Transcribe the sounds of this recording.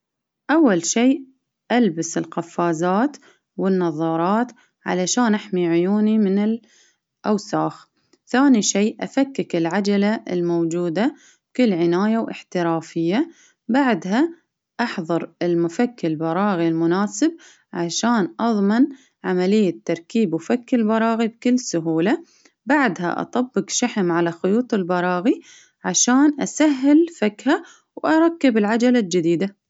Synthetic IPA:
ʔawːalʃiː | ʔalbɪsɪlxafːaːzaːt̪ | wɪnːɑðˤɑːɾˤɑːt̪ | ʕa̰laʃaːnʔaħmiʕʊjuːnimɪnɪl | ʔawsaːx | θaːniʃiːʔʔafakːakɪlʕad͡ʒalaɪ̰lmowd͡ʒuːd̪a | bkʊlːʕɪnaːjawʔɪ̰ħt̪ɪɾaːfɪjːa | baʕd̪ɦa | ʔɑħðˤɑɾˤɪlmʊfakːɪlbɑɾˤɑːɣilmʊnaːsɪb̚ | ʕaʃaːnʔɑðˤmɪn | ʕamalɪjːat̪ːɑɾˤkiːbwfakːɪlbɑɾˤɑːɣibkɪlːsʊɦuːla | baʕd̪ɦa̰ʔɑ̰t̪ˤɑbːɪqʃaħɪmʕalaxʊjuːt̪ˤɪlbɑɾˤɑːɣi | ʕaʃaːnʔasaɦːɪlfakha | wʔɑɾˤɑkːɪbɪlʕad͡ʒalald͡ʒɪd̪iːd̪a

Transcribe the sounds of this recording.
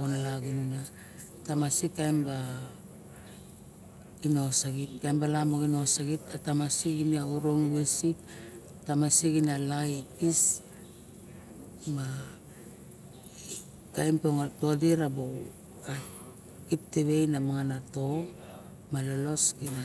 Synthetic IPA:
onalaɡinuna | tamasikajmba | ino̞saɡit̚kajmbalamoɡino̞saɡit̚atamasiɡiniauɾonwesit | tamasiɡinalajis | ma | kajmpoŋato̞diɾabow | a | kip̚teβe̞jnamaŋanato̞ | malolo̞sɡina

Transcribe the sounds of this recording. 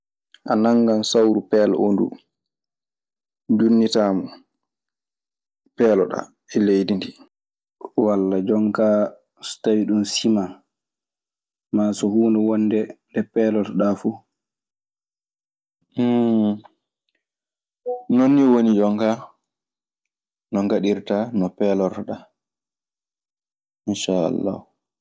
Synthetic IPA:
ʔanaŋɡansawɾupɛːlɔ̰ʔondṵ | dunːitaːmɔ | pɛːlɔɗa̰ | ɛlejdindi | walːad͡ʒɔŋkaː | stawiɗunsiman | maːsɔhuːndɛwɔnːdɛ | dɛpɛːlɔtɗafu | nonːiwonid͡ʒɔŋka | nɔŋɡaɗiɾtanɔpɛːlɔɾtɗa | inʃaa̰lːa̰h

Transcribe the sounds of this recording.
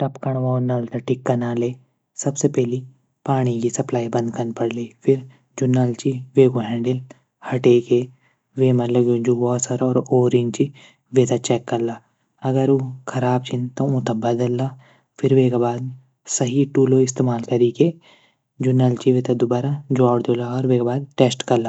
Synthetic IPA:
ʈɐpkɐɳ̃ʋaʊnːaːlt̪ɐʈɪkːɐnaːleː | sɐbsepɛɦli | paːɽ̃ikisɐplaːibɐ̃nd̪kɐnpɐɽliːfʰɪɾ | d͡ʒʊnalt͡ʃiʋeːkõɦɛ̃ːɳɖɪl | hɐʈeːke | ʋeːmɐlɐbjõd͡ʒuɡɔːsɐɾɔːɾoːɾĩnt͡ʃi | ʋeːt̪at͡ʃɛːkːɐɾla | ɐɡəɾũkʰɐɾaːb̚t͡ʃʰɪnt̪oũːt̪ɐbɐd̪əlːa | fʰɪɾʋeːkabaːd̪ | sɐɦiʈuːloɪst̪eːmaːlkɐɾiːke | d͡ʒʊnalt͡ʃiʋeːt̪ad̪ʊbaːɾad͡ʒaːɽd̪oːlaɔːɾʋeːkbaːd̪̚ʈeːsʈkɐɾlaː

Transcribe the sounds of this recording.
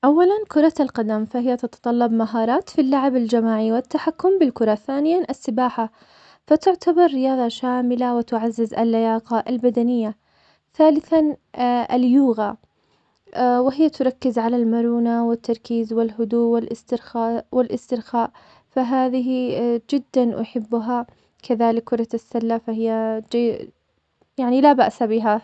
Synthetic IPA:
ʔawːalankʊɾˤɑalqad̪amfahɪjːat̪ɑt̪ɑ̥t̪ˤɑlːɑbmaɦɑːɾˤɑːt̪filːaʕɪbald͡ʒamaːʕiwɪt̪ːaħakːʊmbɪlkʊɾˤɑθaːnɪjanʔasːɪbaːħa | fat̪ʊʕt̪abɑɾˤːɪjɑːðˤɑʃaːmɪlawɪt̪ʊʕazːɪzʔa̰lːajaːqɑʔalbad̪anɪjːa | θaːlɪθanʔa̰ljuːɣa | wɪɦɪjːat̪ʊɾˤɑkːɪzʕalalmɑɾˤuːnawɪt̪ʰːɑɾˤkiːzwɪlɦʊd̪uːʔwɪlʔɪst̪ɪɾxaːʔwɪlʔɪst̪ɪɾxaːʔ | faɦaːðɪɦid͡ʒɪd̪ːanʔʊ̰ħɪbːʊɦa | kʰaðaːlɪkːʊɾˤɑasːalːafaɦɪjːad͡ʒa | jaʕnilabaʔsabɪɦa

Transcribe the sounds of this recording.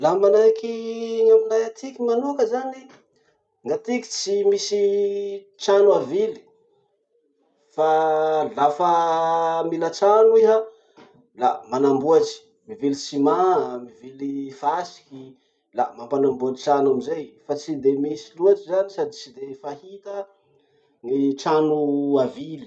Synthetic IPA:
lamanajkiŋaminajat̪ʰikimanukəzani | ŋat̪iki̥t͡simisi | t͡ʃanwavili̥ | falafa | milat͡ʃanueɦa | la̰manambuaʈ͡ʂi̥ | mivilit͡simamivilifasi̥ki | lamampanambuaʈ͡ʂiʈ͡ʂanamizejfat͡sid̪emisiluaʈ͡ʂizanisad̪it͡sid̪efahit̪ə | ŋiʈ͡ʂanuavili̥

